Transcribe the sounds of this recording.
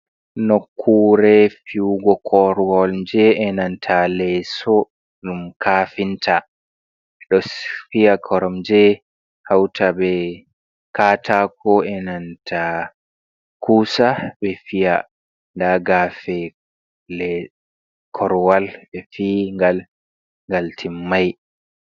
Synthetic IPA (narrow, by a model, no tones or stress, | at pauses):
nokʰːuɾɛfiwɡɔkʰɔɾwɔld͡ʒɛɛnantʰalɛsɔ | ɗumkʰafintʰa | ɛɗɔfiakʰɔɾɔmd͡ʒɛ | hawtʰabɛ | kaːtʰakʰɔɛnantʰa | kʰuːsabɛfija | ndaɡafɛ | lɛ | kʰɔɾwalbɛfiŋɡal | ŋɡaltʰimːaj